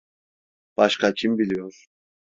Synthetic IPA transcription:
b̥aʃkʰacʰimbilʲijo̞ɾ̥

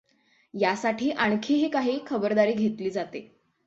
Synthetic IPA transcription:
jasaʈʰiːʔaɳ̃kʰiːɦiːkaɦiːkʰəbəɾd̪aɾiːɡʱet̪liːd͡zat̪e

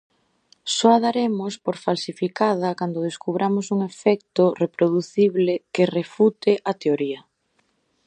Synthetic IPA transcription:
sɔaðaɾemʊspoɾfalsifikað̞ɐkand̪ʊðeskuβɾʔamosuŋefɛk̚t̪orepɾoðuθiβlekerefut̪eʔat̪eoɾiɐ

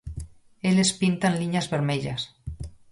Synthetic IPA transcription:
elespint̪anliɲazβeɾmeʎas

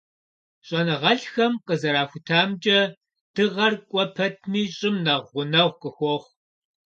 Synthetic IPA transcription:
ɕʼɐnɨʁɐɬxɐmqəzɐɾaːxʷʊtʰaːmt͡ʃʼɐ | d̥ɨʁɐrkʷʼɔpʰɐtʰniːɕʼɪmnɐʁʷʊnɐʁʷqəxʷɔχʷ

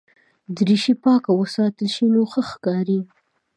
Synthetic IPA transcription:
d̪ɾiʃipɑkawəsɑt̪əlʃinoxəxkɑɾi

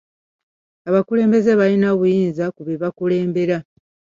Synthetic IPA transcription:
aβakule̞ːmbe̞zeβalinaβujiːnzakuβeβakule̞ːmbe̞ɾa

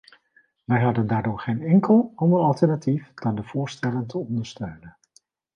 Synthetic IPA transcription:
ʋɛjɦɑdəndaːɹdʊːɹχejnɛŋkəlˠɑndəɹɑlˠtəɹnatifd̥ɑndəv̥ʊːɹstɛləntʰəɔndəɹstœɥnən

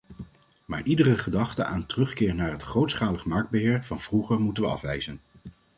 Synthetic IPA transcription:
maːɹʔidərəχədɑχtəa̰ːntərɵχkɪːɹnaːɹɦətχowtsχaːləχmɑɹɡ̚d̚bəɦɪːɹv̥ɑnv̥ruχəɹmutənʋəɑ̰fʋɛjzən

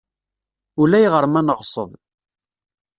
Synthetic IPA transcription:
ulæjʁəɾmænəʁsˤə̰ðˤ

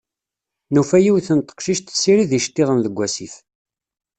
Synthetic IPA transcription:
nufæjiwθənt̪ˤːə̥qʃiʃt̪sːiɾiðiʃt̪ːiɾˤənðəɡʷːæsḭθ

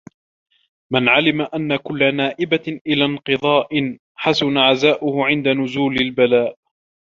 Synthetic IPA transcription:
manʕalɪmaʔanːakʊlːanaːʔɪbaʔɪlaːnqɨðˤɑːʔɪn | ħasʊnaʕazaːʔʊhʊʕɪnd̪anʊzuːlɪlbalaːʔ

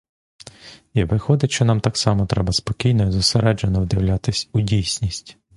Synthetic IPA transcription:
iʋɪxɔd̪ɪt͡ʃt͡ʃɔnɑmt̪ɑksɑmɔt̪ɾɛbɐspɔkʲijnɔizʊseɾɛd͡ʒenɔwd̪ɪwlʲat̪ɪsʲʊdʲijsʲnʲisʲtʲ

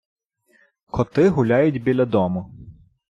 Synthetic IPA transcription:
kʰɔt̪ɪɦʊlʲɑjʊtʲbʲilʲɐd̪ɔmʊ

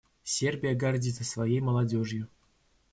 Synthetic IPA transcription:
sʲerbʲijaɡardʲiəsvajejmɐlˠadʲoʐju

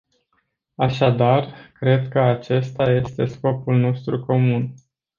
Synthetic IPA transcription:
aʃad̪arkɾe̞d̪kəat͡ʃe̞st̪aje̞st̪e̞sko̞pulno̞st̪ɾuko̞mun

